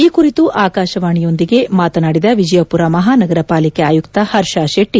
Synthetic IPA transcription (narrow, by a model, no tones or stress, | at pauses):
iːkuɾit̪uʔaːkaːʃɐʋaːɳijo̞nd̪iɡe̞maːt̪ɐnaːɽid̪ɐʋid͡ʒɐjɐpuɾamɐɦaːnɐɡɐɾɐpaːlikeaːjukt̪ɐhɐɾʃaːʃeʈːi